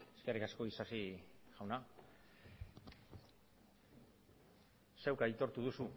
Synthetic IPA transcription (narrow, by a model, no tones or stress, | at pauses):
eske̞rikasko̞isasiʝ̥awna | sewkait̪o̞ɾt̪uðusu